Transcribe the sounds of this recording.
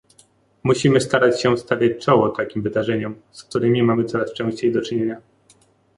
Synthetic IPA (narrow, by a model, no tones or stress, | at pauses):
muɕimɘst̪aɾat͡ɕɕɛst̪avʲjat͡ɕt͡ʂɔwɔt̪akʲimvɘd̪aʐɛɲɛmsk̚t̪uɾɘmʲimamɘt̪sɔɾast͡ʂɛ̃w̃ɕt͡ɕejd̪ɔt͡ʂɘɲeɲa